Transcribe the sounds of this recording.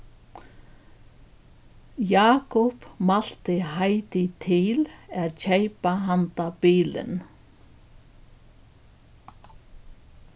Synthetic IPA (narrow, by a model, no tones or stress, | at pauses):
jaːkʊpmal̥t̪ɪhajt̪ɪt̪ʰɪlɛðcejpaɦant̪apiːlɪ̰n